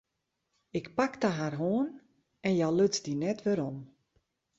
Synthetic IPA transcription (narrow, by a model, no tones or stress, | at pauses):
ɪkpakdaɦarɦoːən | ɛnjaløt͡sdinɛtʋɪɾɔm